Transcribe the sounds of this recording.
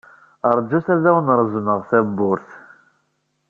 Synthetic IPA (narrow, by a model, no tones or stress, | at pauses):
əɾˤd͡ʒːuθæðæwənəɾˤzˤnəʁθæbːʊɾθ